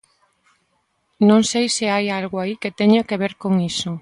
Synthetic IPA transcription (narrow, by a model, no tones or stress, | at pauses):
nõŋsejseajalɣoaiket̪eɲokeβ̞eɾkoŋiso